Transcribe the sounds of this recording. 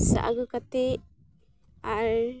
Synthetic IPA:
sa̰ʔa̰ɡɯkat̪ɛ | aɾ

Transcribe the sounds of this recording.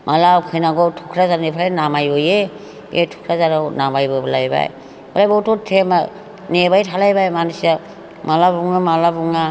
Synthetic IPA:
mʔalawkʰɯjnaɡɔtʰukʰɾazaɾnipʰalajnamajɔje | ʔḛtʰu̥kʰɾazaɾawnamajbɯblajba̰j | balajbɔwtɔtʰema | nebajtʰalajbajmansia | malabuŋamalabuŋa

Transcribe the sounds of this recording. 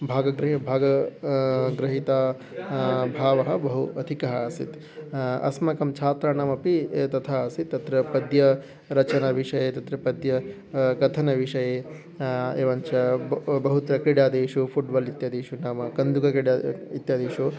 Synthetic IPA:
bʱaːɡɐɡɾɐɦibʱaːɡɐ | ɡɾɐɦit̪aː | bʱaːʋɐɦɐ̆bɐɦuɐd̪ʱikɐɦɐɐsḭt̪ | ɐ̰smɐkɐmt͡ʃʰaːt̪ɾaːnaːmɐpit̪ɐt̪ʰaːɐsit̪ːɐt̪ɾɐpɐd̪jɐ | ɾɐt͡ʃɐnɐʋiʂɐjeːt̪ɐt̪ɾɐpɐd̪jɐ | kɐt̪ʰɐnɐʋiʂɐjeː | eːʋɐnt͡ʃɐbɐɦut̪ɾɐkɾiɽjaːd̪eːʃupʰuʈbɐlit̪jaːd̪eːʃunaːmɐkɐnd̪ukɐkɾiɽaːit̪jaːd̪eːʃu

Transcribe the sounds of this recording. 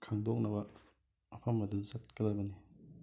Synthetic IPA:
kʰaŋdɔk̚nabɐ | ɐpʰamaduzat̚kɯlabɐni

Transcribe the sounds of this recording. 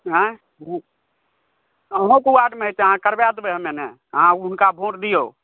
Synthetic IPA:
ɦã | u | əɦõkuaɖmeɦt̪əɦãkəɾbad̪beɦmene | əɦãʊnkabʱõːʈd̪ijo

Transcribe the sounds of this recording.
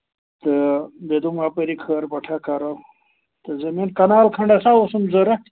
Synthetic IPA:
t̪ɨbed̪umapəɾikʰəɾbɐʈʰakʰɐɾɐw | t̪ɨzɐmenkɐnaːlkʰɐɳɖasawosumzɐɾɐ

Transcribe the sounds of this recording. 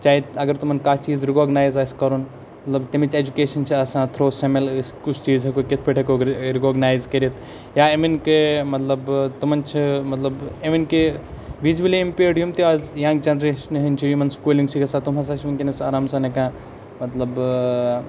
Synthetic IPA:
t͡ʃaːiɐɡɐɾt̪umɐnkaːt͡ʃiːzɾikoːɡnaːjzɐskɐɾun | mɐt̪lɐbt̪imit͡ʃʰed͡ʒukeːʃɐnt͡ʃʰiɐsãːt̪ʰɾoːsemelskʊt͡ʃʰt͡ʃiːzɦɐkoket̪ʰpʰeʈʰekoɡɾikoːɡnaːjzkɐɾit̪ʰ | jaːeminkemɐt̪lɐbt̪umɐnt͡ʃʰimɐt̪lɐbeminkeʋid͡ʒʋɐliimpeːɖijumt̪iazjãːŋɡ̚d͡ʒɐnɾeʃɐnɦɐnt͡ʃʰijumɐnskuːlĩŋɡt͡ʃʰikɐsaːt̪umɐs̬aːt͡ʃʰimɐnkinɐsaːɾaːmsanekãː | mɐt̪lɐb

